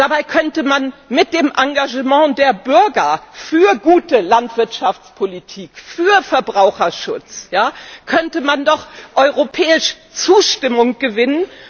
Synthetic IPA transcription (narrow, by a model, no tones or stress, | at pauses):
d̥abaɪkʰœntəmanmɪt̚d̥eːmʔaŋɡaʒəmɑ̃deːɐbʏɐɡɐfyːɐɡuːtəlantv̥ɪɐtʃaft͡spʰolitʰiːkfyːɐfɛɐbʁaʊxɐʃʊt͡sjaːkʰœntəmandɔχʔɔʏʁopʰɛːɪʃ | t͡suːʃtɪmʊŋɡ̥əvɪnən